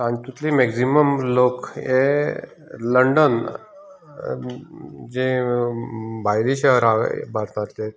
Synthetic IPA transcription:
anit̪ut̪limeksiməmloke | ləɳɖən | d͡ʑẽ | bʱajliɕəɦəɾabaɾt̪aɾt̪e

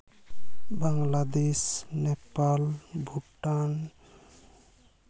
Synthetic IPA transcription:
baŋlad̪esnepalbʱuʈan

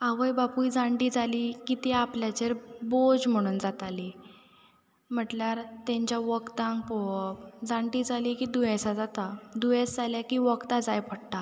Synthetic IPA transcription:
aʋəjbapujd͡zãɳɖiːd͡zalikit̪eapljat͡ɕeɾbod͡zm̤əɽ̃uːnd͡zat̪ali | m̤əʈljaɾt̪ẽɲt͡ɕjaʋəkt̪ãŋɡpopd͡zãɳʈiːd͡zalikid̪ujəsad͡zat̪ad̪ujesd͡zaljakiʋəkt̪ad͡zajpʰəɽʈa

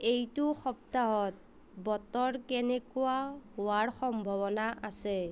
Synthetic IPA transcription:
ejtʊxɔp̚taɦɔt̚ | bɔtɔɹkɛnɛkʊaɦʊwaɹxɔmbʱɔβɔnaʔasɛ

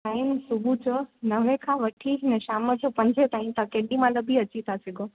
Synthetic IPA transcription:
ʈaːɪmsʊbʱut͡ɕonɐʋẽkʰãʋɐʈʰiɦɪnəʃaːməd͡ʑopɐ̃ɲd͡ʑʱet̪aːimt̪ãkẽːɖimãləbʱiɐt͡ɕit̪ʰasɪɡʱo

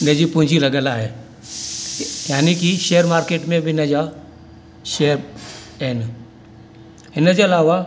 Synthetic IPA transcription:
ned͡ʒipʊ̃nd͡ʒʱilɐɡəlaɦeː | jaːnikiʃejəɾmaːɾkeːʈmẽbʱinəd͡ʒa | ʃeəɾ | eːn | ɪnəd͡ʒeɐlaːʋa

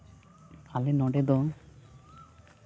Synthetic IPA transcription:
alenɔɖed̪ɔ

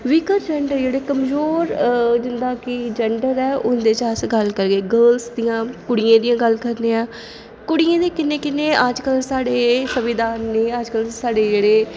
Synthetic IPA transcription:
ʋɪkəɾd͡ʒɛɳɖəɾd͡ʒeːɽeːkəmzoːɾd͡ʒɪnd̪aːkɪd͡ʒɛɳɖəɾɛːʔʊnd̪eːt͡ʃəsɡəlkəɾɡeːɡəːlsd̪iːãːkʊɽijãːd̪ijãːɡəlkəɾnẽːaː | kʊɽijẽːd̪ẽːkɪnːẽːkɪnːẽːʔəd͡ʒkəlsaːɽeːsəʋɪd̪aːnːeːəd͡ʒkəlsaːɖeːd͡ʒeːɽeː

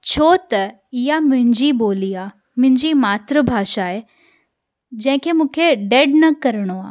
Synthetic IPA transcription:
t͡ɕʰoːt̪ɐ | ɪɦamʊ̃ɦɪ̃ɲd͡ʑiboːliaː | mʊ̃ɦɪ̃ɲd͡ʑimaːt̪ɾəbʱaːʃaːɦe | d͡ʑɐ̃ɦɪ̃kʰemũːkʰeɖeːɖnɐkɐɾəɽ̃oaː

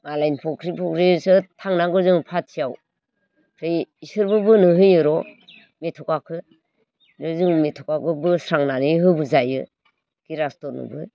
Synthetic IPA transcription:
malajnpʰɔkʰɾipʰɔkʰɾisɯtʰaŋnaɡɯzɯŋpʰat̚sijaw | kʰɾɯjisɯɾbɯbɯnɯɦɯjɯɾɔ | metʰɔkakʰɯ | nɯzɯŋmetʰɔkaɡɯbɯsɾaŋnanɯɦɯbɯzajɯ̰ | kiɾastɔɾnɯ̰bɯ

